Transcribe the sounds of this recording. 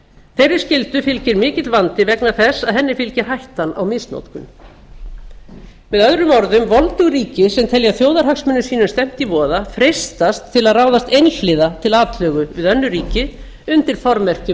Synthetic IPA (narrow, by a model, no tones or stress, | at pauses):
θɛjɾːɪɾ̥scɪlt̪ʏfɪlcɪɾmɪːcɪt̪lvant̪ɪvɛknaɾθɛsːaðhɛnːɪfɪlcɪɾ̥hajht̪ana̰wmɪsno̰wt̪kʏ̰n | mɛðœðɾʏmɔɾðʏmvɔlt̪ʏɣɾiːcɪsɛmt̪ʰɛljaθjowðaɾ̥hɦaksmʏnːʏsiːnʏst̪ɛm̥t̪ivɔːðafɾejst̪ast̪ʰːɪlaðraːwðast̪ejnflɪːðat̪ʰɪlaːt̪lœːɣʏvɪðœnːʏɾiːcɪ | ʏnt̪ɪɾ̥fɔɾmɛr̥cɪ